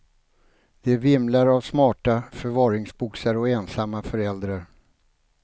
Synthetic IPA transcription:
d̪̥ɛæɾvɪmlaɾavsmɑːʈafœɾvɑːɾɪŋsbʊksaɾɔɛnsamːafœɾɛld̪ɾaɾ

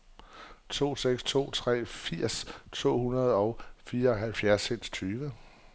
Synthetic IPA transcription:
t͡sʰo̝̰ːseɡ̥st͡sʰo̝̰ːt͡sʰʁɛ̰ːfiɐ̰st͡sʰo̝̰ːhunɐð̞ˠɒ̽ʊfiːɐɒɦælfjæɐsːen̰st͡sʰyːʋə

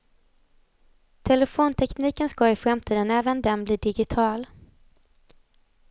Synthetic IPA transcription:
t̪ʰɛlɛfoːnt̪ʰɛkniːkənskɑːɪfɾamt̪ʰiːd̪ənɛːvənd̪ɛnbliːd̪ɪɡɪt̪ʰɑːl

